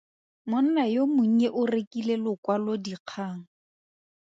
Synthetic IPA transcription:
mʊn̩najomʊɲ̩ɲeʔʊrekilelʊkwalodiq͡χʰaːŋ̩

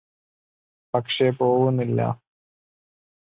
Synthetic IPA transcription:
pɐkʂepo̞ːɣunːilːɐ̰

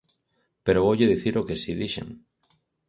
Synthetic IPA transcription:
peɾoβojoðiθiɾʔokesiðiʃḛŋ

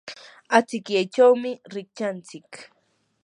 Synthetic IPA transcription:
at͡sɪkjajt͡ʃawmɪɾɪk̚t͡ʃant͡sɪk

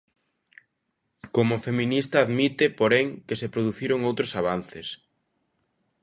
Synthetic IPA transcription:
komʊfemĩnist̪aːðmit̪ɪpoɾeŋkɪsepɾoðuθiɾoŋowt̪ɾosaβ̞an̟θɪs

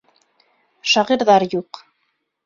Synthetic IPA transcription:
ʃɑʁiɾðɑɾjuq

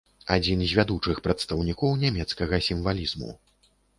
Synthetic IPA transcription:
ad͡zʲinzʲvʲad̪ut͡ʂɨxpɾɐt̪st̪ɐwnʲikɔwnʲamʲɛt̪skɐɣɐsʲiɱvalʲizmṵ

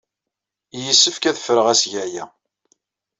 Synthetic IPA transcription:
jəsːəfkæðəfɾəʁæsʝæjæ

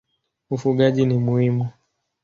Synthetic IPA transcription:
ufuɠaʄinimuhimu

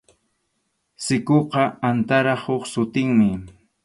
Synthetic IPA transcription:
sɪkoqɑant̪aɾɑχhʊχsʊt̪ɪŋmɪ

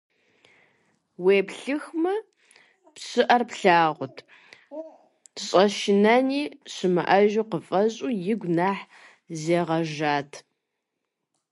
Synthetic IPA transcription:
weːpɬɨxmɐ | psɨʔɐrpɬaːʁʷʊtʰ | tɕʼɐʃɪnɐniːɕɨmɐ̰ʔɐʒɪqəfʼɐʑʼʊjɪɡʷnaːħ | zeːʁɐʒaːtʰ

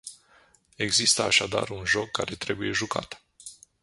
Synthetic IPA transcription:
e̞ɡzist̪əaʃad̪a̰runʒo̞kːaɾe̞t̪ɾe̞buje̞ʒukʰa̰t̪

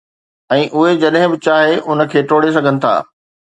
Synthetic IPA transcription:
ɛ̃ːʔʊɦed͡ʑɐɗɦɪ̃bɪt͡ɕaːɦeʔʊnə̆kʰeːʈoːɽes̬ɐɡʱənɪ̆t̪ʰa̰ː

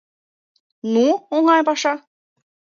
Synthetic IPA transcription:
nuoŋɑjbɑʃɑ

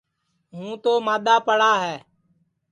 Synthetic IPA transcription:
ɦũːt̪oːmaːɗ̪aːpəɽaːɦɛː

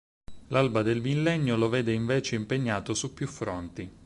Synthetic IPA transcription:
lalbad̪elvilːɛɲːolovɛːd̪eiɱveːt͡ʃeimpeɲːaːt̪osupːjufːɾont̪i

